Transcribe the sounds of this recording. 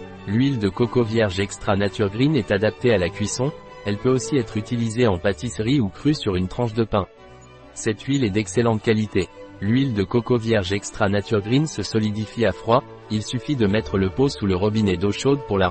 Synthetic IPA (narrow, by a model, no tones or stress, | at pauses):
lɥild̪əkɔkovjɛʁʒɛkst̪χanat̪yʁɡʁinɛt̪ad̪ap̚t̪ealakʲɥisɔ̃ | ɛlpøosiɛt̪χyt̪ilizeɑ̃pat̪isʁiukχysyʁynt̪χɑ̃ʃd̪əpɛ̃ | sɛt̪ʰɥilɛd̪ɛkselɑ̃t̪kalit̪elɥild̪əkɔkovjɛʁʒɛkst̪χanat̪yʁɡʁinsəsɔlid̪ifiafχwa | ilsyfid̪əmɛt̪χələposuləʁɔbinɛd̪oʃod̪̚puʁla